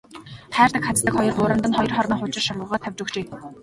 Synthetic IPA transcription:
tʰæːrt̪ə̆kχat͡st̪ːə̆kχɔjɞ̆rtʊɾə̆nt̪ə̆nχɔjɞ̆rχɔrniːχʊt͡ɕɪ̆rʃamə̆ʁɔːt̪ʰːæwʲt͡ɕɵkt͡ɕeː

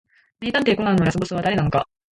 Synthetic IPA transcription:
mʲiːt̪ãnt̪eikonannojasobosɨβad̪aɾe̞nanoka

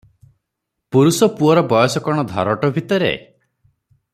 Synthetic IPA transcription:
puɾusɔpuɔɾɔbɔjɔsɔkɔɽ̃ɔd̪ʱɔ̰ɾɔʈɔbʱit̪ɔɾḛ

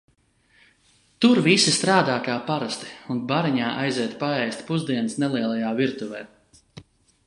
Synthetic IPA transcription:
t̪uɾvisist̪ɾaːd̪aːkaːpaɾast̪i̥unbaɾiɲaːʔajziɛt̪paɛjsʲt̪ʲpuzd̪iɛnsnɛlˠiɛlˠajaːviɾt̪uvɛː

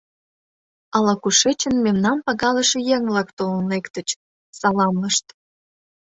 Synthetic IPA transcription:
ɑlɑkuʃet͡ɕənmemnɑmpɑɣɑlə̆ʃĕjeŋvlɑkt̪olənekt̪ə̆t͡ɕ | sɑlɑmləʃt̪

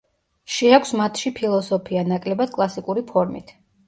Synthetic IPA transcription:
ʃiakʰʷsmat̪ʰʃipʰilˠɔsɔpʰianakʼlɛbad̪̥̚kʼlˠasikʼuɾipʰɔɾmḭt̪ʰ

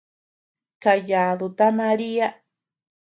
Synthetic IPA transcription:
kajaːðot̪amaɾia

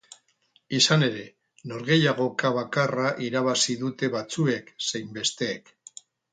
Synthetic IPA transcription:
isane̞ɾe̞ | no̞ɾɣe̞jaɣ̞o̞kaβakaraʔiɾaβ̞asiðut̪e̞βat͡sue̞ksejmbe̞st̪e̞ːk

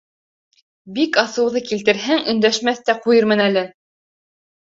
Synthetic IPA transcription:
bikɑsɤ̆wðɤkilt̪ɘ̆ɾɦæŋɵ̆nd̪æʃmæθt̪æqujɤɾmɤ̆nælɘ

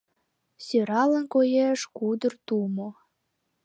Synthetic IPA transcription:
søɾɑlə̆nkojeʃkud̪ərt̪umo

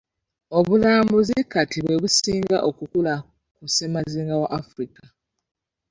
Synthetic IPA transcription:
o̞βulaːmbuzikatʰiβwe̞βusiːŋɡaʔokukula | kusemaziːŋɡawaʔafɾika

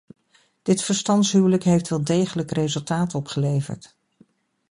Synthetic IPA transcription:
d̥ɪtfəɹstɑntsɦywləkɦejftʋɛlˠdejχələkrejzɵlˠtaːtɔpχəlejvə̰ɹt

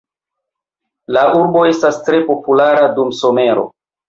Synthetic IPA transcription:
laʔuɾbo̞e̞stastɾe̞po̞pulaɾadumso̞me̞ɾo̞̰

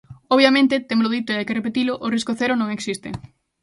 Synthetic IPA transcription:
oβjamẽnt̪ɪt̪emlʊðit̪ʊeajkerepet̪ilʊʔoriskoθeɾʊnõŋeksist̪ɪ̰

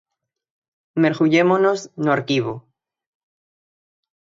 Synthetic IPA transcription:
meɾɣuʝemonoznoaɾkiβo

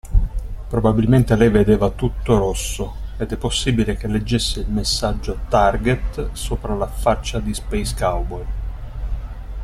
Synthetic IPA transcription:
pɾobabilment̪elɛjved̪eːvat̪ut̪ːoɾosːoed̪ɛpːosːiːbilekelːed͡ʒːesːeilmesːad͡ʒːot̪arɡet̪soːpɾalafat͡ʃːad̪ispejskawbol

